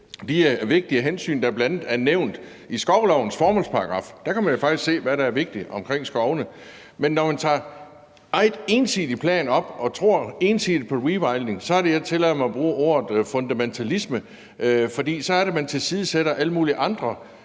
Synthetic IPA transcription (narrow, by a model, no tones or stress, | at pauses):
d̥iʋe̝ɡ̥̚d̥iæɦensy̰ːnd̥ɑ̈æɐb̥lænð̩ˠæɐneʊnd̥ | isɡ̥ɒʊlɒʊn̩sfɒːmɔl̰spʰɑ̈ɑɡ̥ʁɑ̈fd̥ækʰæmænjo̝fɑ̈ɡ̥d̥iskse̝̰ːʋæɾɑæɐʋe̝ɡ̥̚d̥iɒ̽mkʰʁeŋ̰sɡ̥ɒʊnə | menːɒmænt͡sʰɑ̰̈ː | ɑ̈ɪd̥e̝ːnsi̥ipʰlɛ̰ːnɒ̽b̥ɒ̽t͡sʰʁo̝ɐ̰e̝ːnsiðˠd̥̚pʰɒ̽ʁiʋɑɪlne̝ŋsɒ̽æɐɾe̝jaɪt͡sʰe̝lɛmaɒb̥ʁuːʔo̝̰ːɐð̩ˠfɔ̽nd̥æment͡sʰælismə | fɒ̽d̥ḭːsɒ̽æɐɾe̝mænt͡sʰe̝lsiːð̞̩ˠseɾ̥ɐʔæləmuːliʔɑ̈nd̥ʁɐ